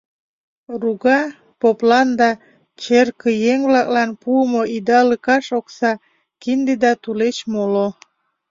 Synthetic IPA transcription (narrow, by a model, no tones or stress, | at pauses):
ruɣɑ | poplɑnd̪ɑ | t͡ɕerkəjeŋβlɑk̚lɑnpuəmoid̪ɑləkɑʃoksɑ | kind̪ed̪ɑt̪ulet͡ɕmolo